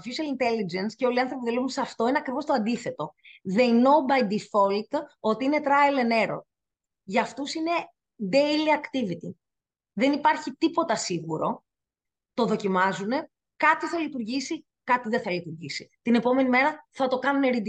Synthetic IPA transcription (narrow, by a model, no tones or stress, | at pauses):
fisiɐlint̪e̞lid͡ʒensceo̞liɐnθɾo̞piðilevunsɐft̪o̞ineɐkɾivo̞st̪oɐnd̪iθe̞t̪o̞ðeinobɐjd̪ifolt̪o̞t̪iine̞t̪ɾɐelene̞ɾo̰ | ʝɐːft̪usine̞ | d̪ejliɐkt̪ivit̪ḭ | ðe̞nipɐɾçit̪ipo̞t̪ɐsiɣuɾo̞ | t̪o̞ðocimɐzune̞ | kɐt̪iθɐlit̪uɾʝisi | kɐt̪iðeθɐlit̪uɾʝisit̪ine̞po̞me̞nimeɾɐθɐt̪o̞kɐnuneɾid̪i